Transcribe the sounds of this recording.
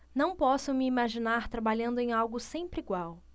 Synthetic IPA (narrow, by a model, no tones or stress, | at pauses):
nɐ̃w̃pɔsʊmɪimaʒinaɾt̪ɾabaʎɐ̃nd̪ʊẽj̃awɡʊsẽmpɾɪiɡwaw